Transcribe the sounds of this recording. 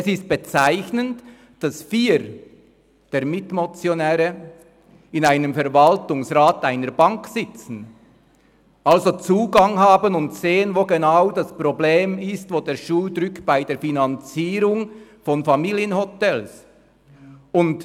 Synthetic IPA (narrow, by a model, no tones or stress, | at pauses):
sɪst̚b̥ət͡saɪçnənt | d̥ɑsfiːɾ | d̥eːɾmɪtmot͡sjonɛːɾə | ɪnaɪnəmfɛɐʁvaltʊŋsʁaːtaɪnəɾbɑŋksɪt͡sn̩ | ʔɑlzot͡suːɡɑŋhaːbənʊntseːənvoːɡenaʊdɑspʁ̥obleːmɪstvoːdeːɾʃuːldɾʏkb̥aɪdeːɐfinant͡siːɾʊŋfɔnfamiːljənhotɛls | ʊnt